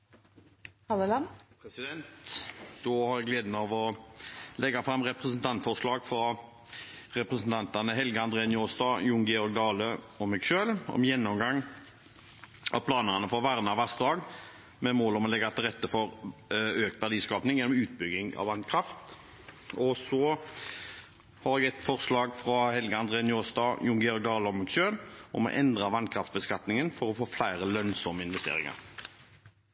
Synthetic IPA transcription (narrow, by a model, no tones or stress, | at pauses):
ɑləlɑmpʰɾɛsɪd̪ɛnt̪d̪ohɑɾjæɡleːd̪n̩ɑʋɔ | lɛɡɑfɾɑmːʁɛpʁɛsnt̪ʰɑnt̪fɔʁʂlɑːɡfʁɑ | ɾɛpʁəsn̩t̪ʰɑnt̪ɑnəɦɛlɡəɑnd̪ɾeːnjoːst̪ɑːjʊŋɡɛɔɾk̚d̪ɑːlə | ɔmɛɡʃøːlɔ̰mjɛnːɔmɡɑŋː | ɑ̰pʰlɑːnəʁɑnəfɔʁʋæʁnɑʋæst̪d̪ɑːɡ | mɛmoːlɔmɔlɛɡɑt̪ʰɪlʁɛt̪ːəfɔʁøːkt̪ʋæʁd̪iːskɑːpnɪŋjɛnɔmʉːt̪̚bʏɡɪŋɑ̰ʋɑnkʰɾɑft̪ | ɔsɔ | hɑɾɛɡɛt̪fɔʁslɑːɡfʁɑhɛlɡəɑnd̪ʁeːnjoːst̪ɑjʊŋɡɛɔɾɡ̚d̪ɑːləɔmɛɡʃøːlɔmɔ̰ʔɛnd̪ʁɑʋɑnkʰʁɑft̪sbəskɑt̪nɪŋənfɔɾɔfoːflæɪʁəlœnsɔməɪnʋɛst̪ḛːʁɪ̰ŋɑ̰ʁ